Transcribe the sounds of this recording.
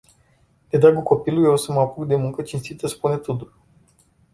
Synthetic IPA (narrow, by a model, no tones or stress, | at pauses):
d̪̥ed̪ɾaɡulko̞pilujewsəməapuɡd̪e̞muŋkət͡ʃinst̪it̪əspunet̪ut̪ul